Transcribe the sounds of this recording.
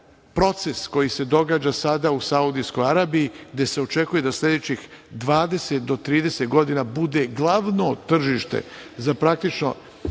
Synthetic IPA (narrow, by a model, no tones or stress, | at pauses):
pɾo̞t̪se̞sko̞jise̞d̪o̞ɡaːd͡ʑasad̪ausaud̪isko̞jaɾaːbijiɡd̪e̞se̞o̞t͡ʃe̞kuje̞d̪aslʲe̞d̪et͡ɕix | d̪ʋaːd̪e̞set̪̚d̪o̞t̪ɾiːd̪e̞set̪ɡo̞d̪inabud̪e̞ɡlˠaʋnot̪r̩ʒiʃt̪e̞̰zapɾak̚t̪it͡ʃno̞̰